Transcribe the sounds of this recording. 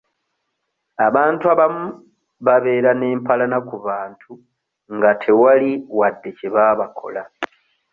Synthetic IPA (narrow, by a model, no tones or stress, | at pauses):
aβaːntuaβamu | βaβe̞ːɾane̞ːmpʰalanakuβaːntʰu | ŋɡatʰe̞waliwadːe̞ceβaːβakʰo̞̰la